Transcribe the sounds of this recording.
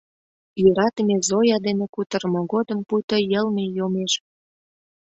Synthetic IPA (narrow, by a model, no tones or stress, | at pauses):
jøɾɑt̪əmezojɑd̪enekut̪ərmoɣod̪ə̆mpujt̪əjəlmejomeʃ